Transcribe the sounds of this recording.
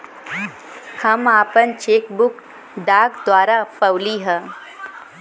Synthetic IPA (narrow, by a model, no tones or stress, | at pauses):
həmaːpənt͡ʃeːkbʊk | ɖaːɡd̪waːɾapəwliɦɛ̃ː